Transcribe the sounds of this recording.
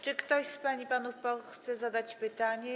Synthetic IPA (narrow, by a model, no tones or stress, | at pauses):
t͡ʂɘkt̪ɔɕspaɲipanufpɔxt̪sɛzad̪at͡ɕpɘt̪aɲɛ